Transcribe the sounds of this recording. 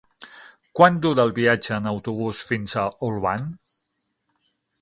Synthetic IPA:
kwand̪uɾəːlˠβiad͡ʒəːnəwt̪uβ̞usfinzəulˠβa̰n

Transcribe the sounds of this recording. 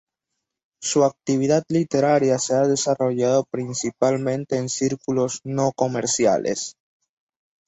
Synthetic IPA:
suak̚t̪iβ̞iðad̪lit̪eɾaɾjaseað̞e̞saroʝaðopɾinsipalmẽ̞nt̪e̞ːnsiɾkuloznokomeɾsja̰lʔḛs

